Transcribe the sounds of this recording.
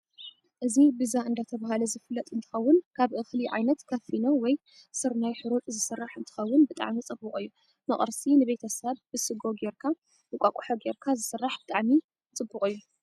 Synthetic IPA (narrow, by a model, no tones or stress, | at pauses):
ʔɨzibɨzaɨnd̪at̪ʰɐβahalɐzɨfɨlːɐt̪ʼɨnt̪ʰɨ̥xɐwːʊnkʰaβʔɨxliʕa̰jnɐt̪kʰɐfinowɔj | sɨɾnajħɨɾot̪ʼzɨsɨrːaħɨnt̪ʰɨ̥xɐwːʊnbɨt̪ʼa̰ʕmit͡sʼɨbːɨχʼɨjːu | mɐχʼɾsinɨβe̞t̪ʰɐsɐβbɨsɨɡo̞ɡeɾkʰa | bɨkʷʼakʷʼuħoɡeɾkʰazɨsɨrːaħb̥ɨt̪ʼaʕmi | t͡sʼɨbːɨkʼɨjːu